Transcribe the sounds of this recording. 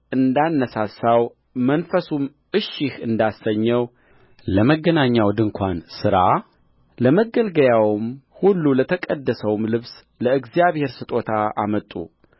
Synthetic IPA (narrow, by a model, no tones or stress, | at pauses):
ɨnd̪anːəsasaw | mənfəsum | ɨʃːɪhɨnd̪asːəɲːəw | ləməɡənaɲːawd̪ɨŋkʰʷansɨɾa | ləməɡəlɡəjawmhulːulət̪ʰəkʼəd̪ːəsəwmlɨβs | ləɨɡzijaβhe̞ɾsɨt̪ʼo̞t̪ʰaa̰mət̪ʼːṵ